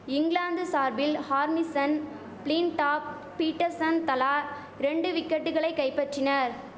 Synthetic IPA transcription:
ɪŋɡɭaːnd̪ɯsaːɾbɪlhaːɾmɪsɐn | pliːnʈaːp̚ː | iːʈːɐɾsɐnt̪ɐlaː | ɾɛɳɖɯʋɪkːɐʈːɯɣɐɭɐɪkːɐɪpːɐʈrɪnɐɾ

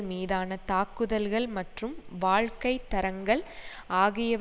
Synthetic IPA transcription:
miːðaːnɐt̪aːkːɯðɐlɣɐɭmɐʈrɯmʋaːɭkɐɪt̪ːɐɾɐŋɡɐɭ | aːɣɪjɐ

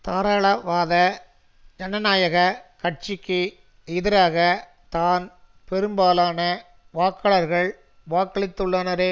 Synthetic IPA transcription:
t̪aːɾaːɭɐʋaːðɐ | d͡ʒɐnɐnaːjɐɣɐkɐʈ̚t͡ʃɪkːɯ | ɪðɪɾaːɣɐ | t̪aːn | pɛɾɯmbaːlaːnɐ | ʋaːkːɐɭɐɾɣɐɭ | ʋaːkːɐɭɪt̪ːɯɭːɐnɐɾeː

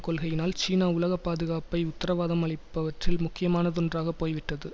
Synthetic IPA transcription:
kɔlɣɐjɪnaːlt͡ʃiːnaːʊlɐɣɐpːaːðɯɣaːpɐɪʊt̪ːɐɾɐʋaːðɐmɐɭɪpːɐʋɐʈrɪlmʊkːɪjɐmaːnɐt̪ɔndraːɣɐpːoːjʋɪʈːɐðɯ

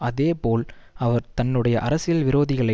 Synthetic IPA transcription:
ɐðeːpoːl | ɐʋɐɾt̪ɐnːɯɽɐjɐʔɐɾɐsɪjɐlʋɪɾoːðɪɣɐɭɐɪ

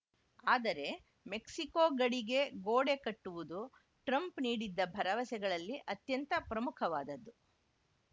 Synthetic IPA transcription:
aːd̪ɐɾe̞ | me̞ksikoːɡɐɽiɡe̞ɡoːɽe̞kɐʈːuʋud̪u | ʈɾɐmpniːɽid̪ːɐbʱɐɾɐʋɐsɛɡɐɭɐlːiʔɐt̪jɐnt̪ɐpɾɐmukʰɐʋaːd̪ɐd̪ːu

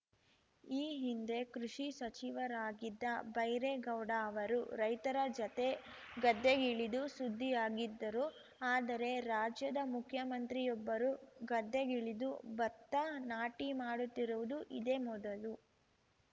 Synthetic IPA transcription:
iːɦind̪e̞kɾuʂisɐt͡ʃiʋɐɾaːɡid̪ːɐbɐjɾeɡɐwɽaɐʋɐɾuɾɐjt̪ɐɾɐd͡ʒɐt̪e̞ɡɐd̪ːeɡiɭid̪usud̪ʱːijaːɡid̪ːɐɾu | aːd̪ɐɾe̞ɾaːd͡ʒjɐd̪ɐmukʰjɐmɐnt̪ɾijɔbːɐɾuɡɐd̪ːeɡiɭid̪ubɐt̪ːɐnaːʈimaːɽut̪ːiɾuʋud̪uʔid̪eːmɔd̪ɐlu

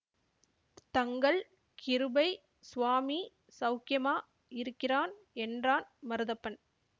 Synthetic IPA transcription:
t̪ɐŋɡɐɭ | kʰɪɾɯbɐɪ | sʊʋaːmi | sɐʊkɪjɐmaː | ɪɾɯkːɪraːn | ɛndraːnmɐɾɯðɐpːɐn

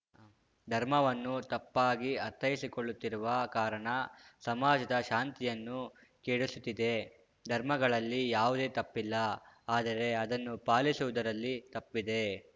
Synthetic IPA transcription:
d̪ʱɐɾmɐʋɐnːut̪ɐpːaːɡiɐt̪ʰːɐjisiko̞ɭːut̪ːiɾuʋɐkaːɾɐɳɐsɐmaːd͡ʒɐd̪ɐʃaːnt̪ijɐnːu | keːɽusut̪ːid̪e̞ | d̪ʱɐɾmɐɡɐɭɐlːijaːʋud̪e̞ːt̪ɐpːilːɐaːd̪ɐɾe̞ɐd̪ɐnːupaːlisuʋud̪ɐɾɐlːit̪ɐpːid̪e̞

